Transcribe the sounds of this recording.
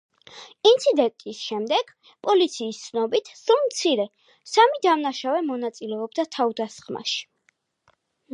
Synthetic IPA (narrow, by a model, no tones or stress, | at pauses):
int̪sʰid̪ɛnt̪ʼisʃɛmd̪ɛɡ̥ | pʼɔlit̪sʰiːst̪sʰnɔbit̪ʰsulˠmt̪sʰiɾɛ | samid̪amnaʃavɛmɔnat̪sʼilɛɔbd̪at̪ʰavd̪asχma̰ʃi̥